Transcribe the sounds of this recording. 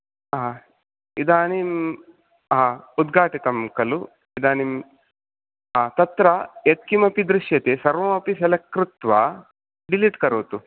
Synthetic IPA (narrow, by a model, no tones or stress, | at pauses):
id̪aːnim | aːud̪ɡʱaːʈit̪ɐmkɐlu | id̪aːnim | aːt̪ɐt̪ɾɐet̪̚kimɐpid̪ɾɪʃjɐt̪esɐɾʋɐːmɐpisɐlɐkɾut̪ʋɐ | ɖiliʈkɐɾuːt̪u